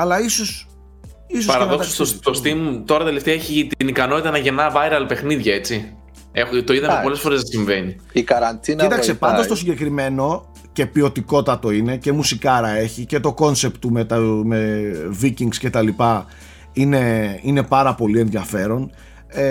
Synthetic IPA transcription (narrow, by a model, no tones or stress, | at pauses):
ɐlɐisos | isosɐɾɐðot̪ɐsossost̪ost̪imut̪o̞ɾɐt̪ele̞ft̪eɐeçit̪inikɐno̞t̪it̪ɐnɐʝe̞nɐvɐjɾɐlpe̞xniðʝɐe̞t͡si | ext̪o̞iðɐɐpo̞le̞sfo̞ɾezsiɱve̞ni | ikɐɾɐnt̪init̪ɐksepɐnd̪ost̪o̞siɲɟe̞kɾime̞no̞ | ce̞pio̞t̪iko̞t̪ɐt̪o̞ine̞ce̞musikɐɾɐe̞çice̞t̪o̞ko̞nsept̪umet̪ɐmeviciŋɡsce̞t̪ɐlipɐ | ine̞ine̞pɐɾɐpo̞lie̞nðjɐfe̞ɾo̞n | e